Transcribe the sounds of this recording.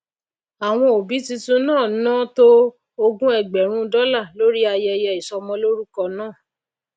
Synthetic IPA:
a˨w̃ɔ̃˧o˨bi˨˦tĩ˧tũ˦nãː˦˨˦nãː˦˨to˦ | o˧ɡũ˦ɛ˨ɡ͡bɛ˨ɾ̃ũ˦dɔ˦la˦˨lo˦ɾi˦a˧jɛ˧jɛ˧i˨sɔ˧mɔ̃˧˦lo˦ɾu˦kɔ˧nãː˦˨

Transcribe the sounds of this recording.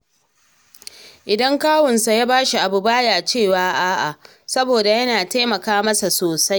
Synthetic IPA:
ʔɪ˨dɐ˦ŋkaː˦wɔ˨nsa˨jaː˦baː˦ʃi˨ʔa˨bu˨baː˦jaː˨t͡ʃeː˦˨waː˦ʔaː˦ʔa˨ | sɐ˦boː˨da˨jɐ˦naː˨ta˦mɐ˨kaː˦mɐ˦sa˨soː˨sa˦j

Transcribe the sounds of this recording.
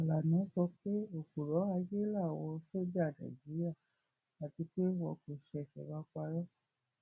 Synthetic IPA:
a˨la˨nɔ̃˨˦sɔ˧˦ke˦o˨ko˨lɔ˨˦a˧ɡe˦la˦˨wɔ˧so˦d͡ʒa˦˨na̰˨d͡ʒi˨˦i˦a˦˨ | a˨ti˧ke˦wɔ˧˨ke˨ʃɛ˨ʃɛ̰˨ɡa˧kʷa˧jɔ˦

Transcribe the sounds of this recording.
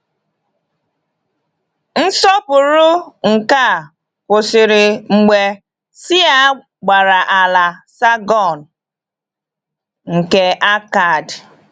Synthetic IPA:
n̩˦sɔ˦pʊ˨ɾʊ˦ŋ̩˨ka˦˨ | pʊ˨sɪ˨ɾɪ˨ŋ͡m̩˨ɡ͡be˨ | sɪ˦a˦ | ɡ͡ba˨ɾa˨ʔa˨la˨sa˦ɡɔ˨n | ŋ̩˨ke˨ʔa˦ka˨d

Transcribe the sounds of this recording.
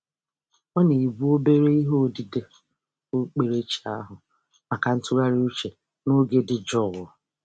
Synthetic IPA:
ɔ˦ne˨bu˦o˦be˦ɾe˦i˦ɦo˦˨di˨de˦ | o˦k͡pe˨ɾe˦t͡ʃi˨a˦ɦʊ˨ | ma˨ka˨n̩˦tʊ˦ɾa˦ɾi˦u˦t͡ʃe˨ | no˦ɡe˦dɪ˨d͡ʒɔ˦˨ɣʊ˨

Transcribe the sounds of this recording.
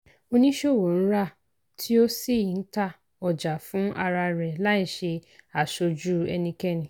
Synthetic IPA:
o˧nĩ˦ʃo˦˨wo˨ñ̩˦ɾa˦˨ | tʰi˦o˦si˦˨i˨n̩˦ta˦˨ | ɔ˨d͡ʒa˨fũ˨˦ʔa˧ɾa˧ɾɛ˨la˦i˦˨ʃe˧a˨ʃo˧d͡ʒu˦ɛ˧nĩ˧kɛ˦˨nĩ˨

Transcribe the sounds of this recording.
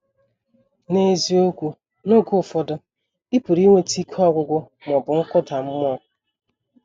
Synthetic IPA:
ne˨zi˦o˦kʷu˨ | no˦ɡʊ˦˨fɔ˦dʊ˦ | i˦pʊ˨ɾi˦ŋʷe˦ti˦kʰɔ˦ɡʷʊ˦ɡʷʊ˦ | m˨ɔ˨bʊ˨ŋ̩˦kʊ˦ta˨m̩˦m˦ɔ˦

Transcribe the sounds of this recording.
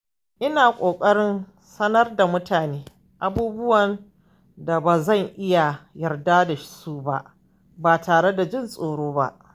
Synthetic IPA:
ʔɪ˦naː˨kʷʼoː˨kʼɐ˦ɽɪ˦n | sɐ˦nɐ˦rda˨mʊ˦taː˨neː˦ | ʔa˦buː˦bʊ˦wɐ˨n | da˨baː˨zɐ˦˨ŋʔɪ˦ja˨jɐ˨rda˦da˨ʃsu˦ba̰˦ʔ | ba˨taː˨ɽe˦da˨d͡ʒɪ˦nsʼoː˨ɽoː˦ba̰˦ʔ

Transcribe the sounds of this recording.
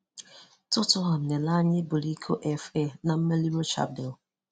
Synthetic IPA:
tʊ˦tʊ˦ɦa˨m̩˨ne˨la˦ɲɪ˦bʊ˨li˦kʰo˦ʔɛ˦fe˦˨na˨m̩˦me˦li˦ɾo˦t͡ʃa̰˦p̚de˨l

